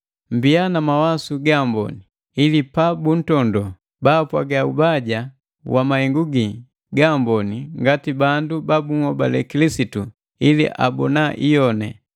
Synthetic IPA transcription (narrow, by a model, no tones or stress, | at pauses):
m̩bianamawasuɡambɔ̰ni | ilipabun̩tɔndɔ | baːpwaɡaubaɟa | wamahɛŋɡuɡi | ɡambɔniŋɡatibandubabuŋ̩hɔbalɛkilisitu | ilḭʔa̰bɔnaʔijɔnɛ̰